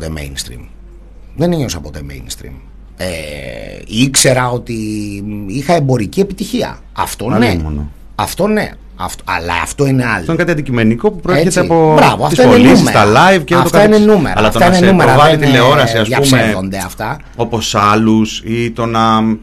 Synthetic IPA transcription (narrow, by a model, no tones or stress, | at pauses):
ðemḛjnst̪ɾḭm | ðeneɲo̞sɐpot̪omḛjnst̪ɾḭm | e | ikse̞ɾɐo̞t̪i | ixɐe̞mbo̞ɾicie̞pit̪içiɐ̰ | ɐ̰ft̪o̞nemon | ɐft̪o̞nḛ | ɐ̰ft̪oɐ̰lɐ̰ɐ̰ft̪o̞ineɐlɐnkɐt̪ɐnd̪icimeniko̞pupɾoeɾeçet͡st̪eɐipobɾɐvoɐfst̪ɐionelniumeɾɐlɐjvceoɐt̪otk̪ɐinenume̞̰ɾɐlɐfoɐinenumeɾɐvɐlit̪ileo̞ɾɐsiɐsʝɐusmeðo̞nd̪e̞ɐft̪ɐ | o̞po̞sɐlusit̪o̞nɐ